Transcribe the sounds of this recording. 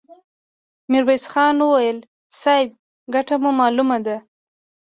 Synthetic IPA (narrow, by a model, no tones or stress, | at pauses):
mɪɾwesxɑnwəwajəl | sɑɪb̚ | ɡaʈamumɑlumad̪a